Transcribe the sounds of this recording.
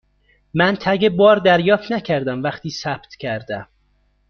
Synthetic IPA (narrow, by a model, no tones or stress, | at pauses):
mænt̪ʰæɡebɒːɾd̪æɾjɒːft̪næcʰæɾd̪æmvæχt̪ʰiːsæb̥t̪cʰæɾd̪æm